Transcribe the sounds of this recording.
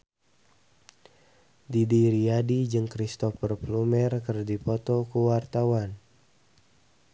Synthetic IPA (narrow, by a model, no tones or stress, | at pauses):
didiɾiadid͡ʒɨŋkɾist̪ɔfərplumɛrkɨrdipɔt̪ɔkuwart̪awan